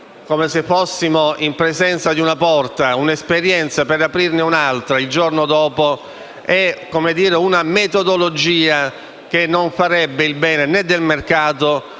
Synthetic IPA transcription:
komesefːosːimoimpɾezɛnt̪sad̪iunapɔrt̪aunespeɾjɛnt̪sapeɾapɾirnɪunalt̪ɾaild͡ʒornod̪ɔːpo | ɛkomed̪iːɾeunamet̪od̪olod͡ʒiːa | k̟enːoɱfaɾɛbːɪilbɛːnenɛd̪ːelmerkaːt̪o

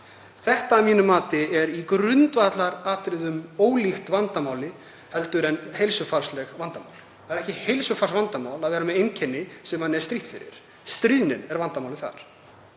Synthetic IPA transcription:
θɛht̪aːmiːnʏmaːt̪ɪɛɾikɾʏnt̪vat̪laɾaːt̪ɾɪðʏmoːwlixt̪vant̪amaːwlɪ | hɛlt̪ʏɾɛnhejlsʏfaɾslɛɣvant̪amawl | θaðɛɾɛhcɪhejlsʏfarsvant̪amaːwlaðvɛːɾamɛðejncʰɛnːɪsɛmhanːɛɾ̥st̪ɾiht̪fɪɾɪ̰ɾ̥ | st̪ɾiːðnɪnɛɾvant̪amaːwlɪθa̰ɾ̥

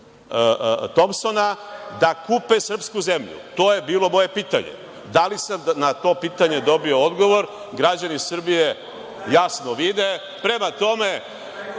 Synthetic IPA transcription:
t̪o̞mso̞nad̪akuːpesr̩pskuze̞mʎṵt̪o̞ːje̞biːlo̞mo̞je̞piːt̪a̰ɲḛ | d̪alisamnat̪o̞piːt̪aɲe̞d̪o̞bio̞od̪ɡo̞ʋo̞ɾ | ɡɾad͡ʑanisr̩bije̞ | jasno̞ʋid̪e̞ | pɾe̞mat̪o̞me̞

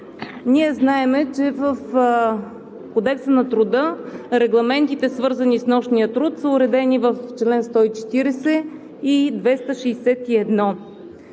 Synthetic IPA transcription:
niɛznaɛmɛt͡ʃɛvəf | kod̪ɛksənɐt̪ɾʊd̪ɤɾɛɡlˠɐmɛnt̪it̪ɛsvɤɾzɐnisnɔʃnijət̪ɾut̪səʊɾɛd̪ɛnivəft͡ʃlɛnst̪ɔit͡ʃɛ̥t̪iɾɛsɛ | id̪vɛst̪əʃɛjsɛt̪iɛd̪nɔ

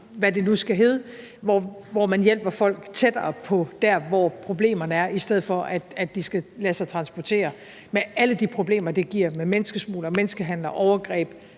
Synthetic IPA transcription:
ʋæde̝nusɡ̥æɦe̝ːð̞ˠə | ʋɒʋɒmænjel̰b̥ɐfɒ̽l̰ɡ̥t͡sʰed̥ɐːpʰɒ̽d̥æɐ̰ʋɒpʰʁo̝b̥le̝̰ːmɐnəæɐʔisd̥eð̞̰̩ˠfɒ̽ʔæ̥æ̥d̥isɡ̥ælæːsɑ̈ɪt͡sʰʁɑ̈nsb̥ɒt͡sʰe̝̰ːɐ | meʔæləd̥ipʰʁo̝b̥le̝̰ːmɐd̥e̝ɡ̥iɐ̰memenəsɡ̥əsmṵːlɐmenəsɡ̥əɦæn̰lɐʔɒʊɐɡ̥ʁɛ̰ːb̥

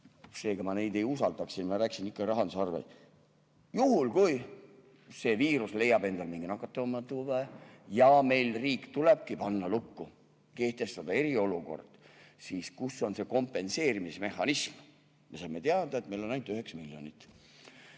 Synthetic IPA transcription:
se̞ːɡ̥ɑmɑnejd̪e̞jusɑld̪ɑksinmɑɾæːki̥sinikːɑɾɑɦɑnd̪usɑrvḛ | juhulkuj | se̞ːviːɾusle̞jːɑbe̞nd̪̥ɑlmiŋɡ̥inɑkːˑɑt̪ːˑɑoːmːɑt̪uvɑjɑme̞jlriːkːt̪uleb̥̚kipɑnːɑlukːu | ke̞ht̪e̞st̪ɑd̪ɑe̞ɾio̞luko̞̰rd̪̥siːskuso̞nse̞ko̞mpːe̞nse̞ːɾimisme̞hɑnism | me̞sɑme̞t̪eɑd̪̥ɑet̪̚me̞jlo̞nɑjnt̪yɦe̞ksmiljo̞nit̪ːˑ

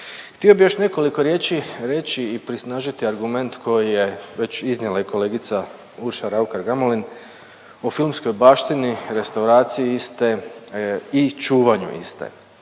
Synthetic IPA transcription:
xt̪io̞bijo̞ʃne̞ko̞liko̞ɾje̞ːt͡ʃiɾe̞t͡ɕiːpɾisnaːʒit̪iaɾɡume̞nt̪kʰo̞jije̞ʋe̞t͡ɕiznjelaiko̞le̞ːɡit̪sa | uɾʃaɾaukaɾɡamolin | ofilˠmsko̞jbaːʃt̪iniɾe̞st̪auɾaːt̪sijiist̪e | it͡ʃuːʋaɲṵʔḭst̪ḛ

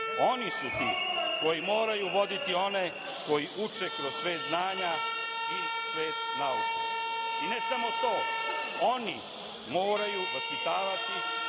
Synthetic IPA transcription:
o̞nisut̪ḭːko̞jimo̞ːɾajuʋo̞d̪it̪io̞ne̞ | ko̞jiʔut͡ʃekɾozsʋe̞ːt̪znaːɲa | i | sʋeːt̪naut͡ʃeinesamo̞t̪o̞ː | o̞ni | mo̞ːɾajuospit̪aːʋat̪i

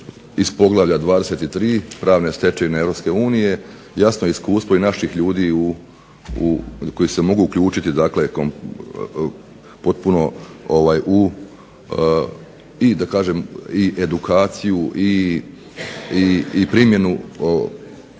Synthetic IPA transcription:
ispo̞ɡlˠaʋʎad̪ʋaːd̪e̞se̞t̪it̪ɾiːpɾaːʋne̞st̪e̞t͡ʃeineeʋɾo̞pske̞uːnije̞ | jasnojeiskuːst̪ʋoinaʃixʎuːd̪iːu | ko̞jise̞mo̞ɡuːkʎuːt͡ʃit̪id̪akle̞kom | po̞t̪̚puno̞oʋajʔu | id̪akaːʒe̞miʔed̪ukaːt̪sijuʔi | iipɾimje̞nuo

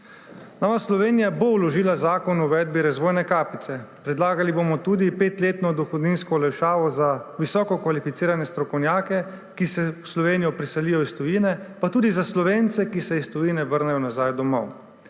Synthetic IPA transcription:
nɔːʋaslɔʋeːnijabowlɔʒiːlazaːkɔnuʋɛːd̪̚biɾazʋoːjnɛkaːpit̪sɛpɾɛd̪laːɡalibomɔt̪uːd̪ipeːt̪leːt̪nɔd̪ɔxɔd̪ninskɔlɛjʃaːʋɔzaʋisɔːkɔkʋalifit̪siːɾanjɛst̪ɾɔkɔwnjaːkɛ | kisɛwslɔʋeːnijɔpɾisɛlijɔist̪ɔjinɛpat̪uːd̪izaslɔʋeːnt̪sɛkisɛist̪ɔjiːnɛʋəɾnɛjɔnazaːjd̪ɔmɔ̰w

